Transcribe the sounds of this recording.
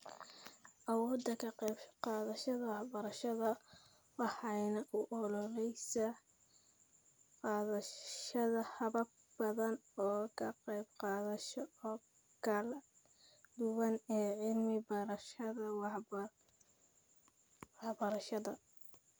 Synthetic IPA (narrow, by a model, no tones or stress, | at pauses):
ʔɐwɔːd̪ːɐkʰɐqɛbqɑːðɐʃɐðɐwɑħbɐɾɐʃɐðɐ | wɑħɑjnɐʔʊʔɔlɔlɛjsɐ | qɑːðɐʃɐðɐhɐβɐb | b̥ɐðɐnɔːkʰɐqɛjbqɑːðɐʃɔɔː | kʰɐlɐ | d̪ʊwɐnɛːʕɪlmɪbɐɾɐʃɐðɐw | wɑħbɐɾɐʃɐðɐ